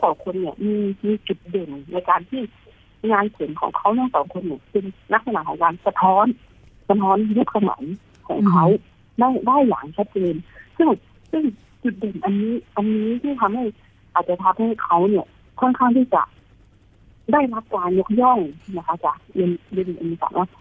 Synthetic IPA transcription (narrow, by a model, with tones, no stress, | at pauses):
sɔː˨˦wkʰo˧nːi˧˩ɐmiː˧miː˧t͡ɕu˨˧˩t̪̚dɤ˨˩nːa˧˥jkaː˨nt̪ʰiː˥˩ | ŋaː˧nkʰɯ˨˩˦nkʰɔ̰ː˨˩˦ŋkʰa˧˦˥wnɔː˧˥˩ŋsɔː˨˦wkʰo˧nːiː˧˩˨sɯ˧ŋla˧˦˥k̚sa˧naː˨˩kʰɔː˨˦ŋkaː˨nsa˧t̪ʰɔː˦˥n | sa˧t̪ʰɔː˧˦˥n˧ju˦˧˥k̚sa˧mɤ̰ː˩˦n | kʰɔ̰ː˩˦ŋkʰa˦˥w | daː˥˩˨jdaː˥˩˨jːa̰ː˨˩ŋt͡ɕʰa˦˥t̪̚t͡ɕeː˨˧nsɯ˥˩ŋ | sɯ˥˩ŋ | t͡ɕu˨˩t̪̚de˨˩nʔa˨˧nːiː˦˥ʔa˨˧nːiː˦˥t̪ʰiː˥˩t̪ʰa˧mha˥˩j | ʔaː˨˩t̪̚t͡ɕa˧t̪ʰa˧p̚ha˥˩jkʰa˦˥wni˧˩ɐ | kʰɔ˥˩˨nkʰa˥˩ŋt̪ʰiː˥˩t͡ɕa̰˨˩ | daː˥˩jla˦˥p̚kaː˧njo˧˥k̚jɔ˥˩ŋ˧˩na˧kʰa˦˥˩t͡ɕa˨˩k̚je˧nje˧n˧˩ʔa̰˨niː˧sa̰ː˨˦ŋʔa˧˩